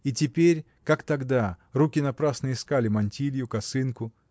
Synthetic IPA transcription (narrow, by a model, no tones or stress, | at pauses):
itʲɪpʲeɾʲ | kakt̪ɐɡd̪arukʲɪnɐpɾasnəɪskalʲɪmɐnʲtʲilʲjʊkɐsɨnkʊ